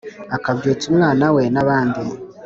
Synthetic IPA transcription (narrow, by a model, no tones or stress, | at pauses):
akabɟeːt͡sumŋaːnawe̞naβaːndi